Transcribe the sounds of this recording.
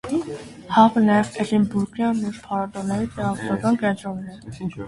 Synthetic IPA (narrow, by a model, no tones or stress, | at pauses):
hɑvənɑjɛvɛlimbuɾɡjɑnːɛɾpʰɑɾɑd̪ɔnɛjit̪ɛʁɑvɔsɑkɑnkɛnt͡ʃɾɔmnɛ